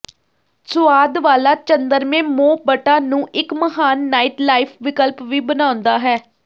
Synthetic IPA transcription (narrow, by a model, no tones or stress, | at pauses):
sʊaːd̪ʋaːlaːt͡ʃənd̪əɾmẽːmoːbəʈaːnũːʔɪkməɦaːnːaːɪʈlaːɪpʰʋɪkəlpʋiːbənãːʊnd̪aːɦɛː